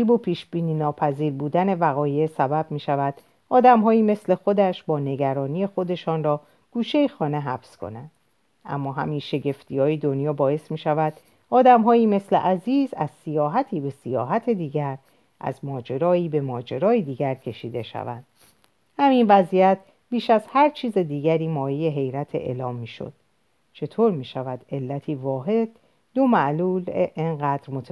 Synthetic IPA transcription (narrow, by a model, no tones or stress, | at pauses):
iːbopʰiːʃbiːniːnɒːpʰæziːɾbuːd̪æne̞væɣɒːje̞sæbæb̚miːʃævæd̪ | ʔɒːd̪æmɦɒːiːme̞sle̞xo̞d̪æʃbɒːne̞ɡæɾɒːniːe̞xo̞d̪e̞ʃɒːnrɒː | ɡ̥uːʃe̞jexɒːne̞ɦæfskʰo̞̰nænd̪̥ | ʔæ̰mːɒːɦæ̰miːnʃe̞ɟe̞ft̪ʰiːjɒːjed̪o̞njɒːbɒːe̞smiːʃævæd̪̥ | ɒːd̪æmɦɒːiːme̞slḛʔæziːzæ̰zsijɒːɦæt̪ʰiːbe̞sijɒ̰ːɦæt̪ʰe̞d̪iːɟæɾ | ʔæ̰zmɒːd͡ʒe̞ɾɒːiːbe̞mɒːd͡ʒe̞ɾɒːjid̪iːɡæɾcʰe̞ʃiːd̪e̞ʃæ̰væ̰nd̪̥ | hæminvæzijæt̪̚ʰ | b̥iːʃæz̥hæɾt͡ʃʰiːze̞d̪iːɟæɾiːmɒːjije̞ɦe̞jɾæt̪ʰḛʔḛːlɒːmːiːʃo̰d̪̥ | t͡ʃʰe̞t̪ʰoːɾmiːʃævæd̪e̞lːæt̪ʰiːvɒːɦe̞d̪̥ː | o̞mæʔluːleʔeŋɢæːd̪̥ɾmot̪ʰ